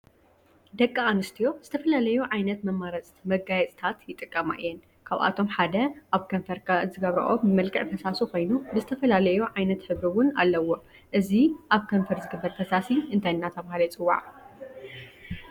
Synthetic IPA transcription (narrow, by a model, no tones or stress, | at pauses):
d̪ɐkʼːaanɨst̪ʰijo̞z̥ɨt̪ʰɐfɐlalɐjuʕajnɐt̪mɐmaɾɐt͡sʼmɐɡajɛt͡sʼt̪ʰat̪jɪt̪ʼːɨkʼːɐma̰ʔɨjːɛn | kʰaβʔa̰t̪ʰo̞mħad̪ɐʔaβkʰɐɱfɐɾkʰazɨɡɐβɾɐ̰ʔoɨmɐlkʼɨʕfɐsasuko̞jnubɨzɨt̪ʰɐfɐlalɐjuʕajnɐt̪ħɨβɾɨwʊna̰lːɐwo̞ | ʔɨziʔaβkʰɐɱfɐɾzɨɡɨbːɐɾfɐsasiʔɨnt̪ʰajnːat̪ʰɐβahalɐjt͡sʼɨwːa̰ʕ